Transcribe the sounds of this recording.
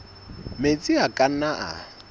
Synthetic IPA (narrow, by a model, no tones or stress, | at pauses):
met͡sʼiakʼan̩naʔa̰